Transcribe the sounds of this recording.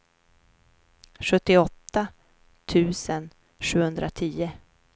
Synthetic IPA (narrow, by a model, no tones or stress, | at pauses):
ɧɵt̪ːɪɔt̪ːa | t̪ʰʉ̟ːsən | ɧʉ̟ːhɵnd̪ɾʔat̪ʰiːə